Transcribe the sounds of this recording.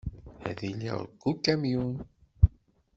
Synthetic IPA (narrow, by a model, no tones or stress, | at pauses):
æ̰ðilḭʁ̰ɾɡːukːæmjun